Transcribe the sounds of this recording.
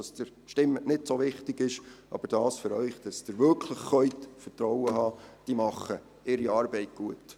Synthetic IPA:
ɑsd̥əɾ | ʃtɪmːənɪdsoʋɪχtɪɡ̥ɪʃʔɑ̰b̥əɾd̥ɑːsføɾœʏχd̥ɑsd̥əɾvʏɾkʰləχːœʏtfəɾtɾɔwəɦɑːd̥imɑχə | ɪɾiɑːɾbɛɪt̚ɡ̥uət

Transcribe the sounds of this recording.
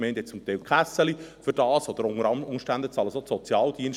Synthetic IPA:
mɛɪntɛt͡sʊmt̪ɛɪlkʰχæsəlifʏɾd̥ɑːsɔd̪əɾʊŋəɾɑʊŋʃtænd̪ət͡sɑləsosɔt͡sjɑːld̥̪iən

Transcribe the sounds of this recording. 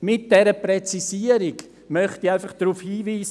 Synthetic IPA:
mɪt̚d̥ɛɾəpɾɛt͡sisiəɾiɡ | mœχtiaɪfɑχd̥ɾuːfhiːviːs

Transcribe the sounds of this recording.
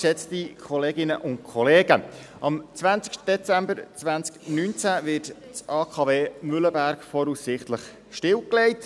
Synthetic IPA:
ʃɛt͡stikʰɔleːɡɪnəʔʊnt̚kʰɔleːɡə | ɑmt͡sʋænt͡sɪ̥kʃtəd̥ɛt͡sæmbəɾt͡sʋænt͡sknyːnt͡sævɪt | t͡sɑːkʰɑːveːmʏləbæɾkfɔɾussɪχtləχ | ʃtɪwklɛɪt

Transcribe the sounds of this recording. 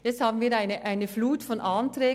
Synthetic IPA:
jɛt͡ssthɑːbn̩viːɾaɪnəʔaɪnəfluːtfɔnʔɑːntɾɛː

